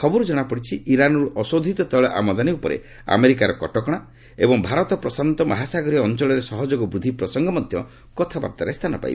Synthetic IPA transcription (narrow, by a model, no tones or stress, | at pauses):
kʰɔbɔɾud͡ʒɔɽ̃apɔɽit͡ʃʰiʔiɾanɔɾuʔɔsod̪ʱit̪ɔt̪ɔɭɔʔa̰mɔd̪aniupɔɾḛ | a̰meɾikaɾɔkɔʈɔkɔɽ̃a | ḛbɔŋbʱaɾɔt̪ɔpɾɔsant̪ɔma̰ɦasaɡɔɾiːnt͡ʃɔɭɔɾesɔɦɔd͡ʒoɡɔbɾud̪ʱipɾɔsɔŋɡʱɔmɔd̪ʱjɔ | kɔt̪ʰaba̰p̚t̪aɾest̪ʰanɔpa̰j̰b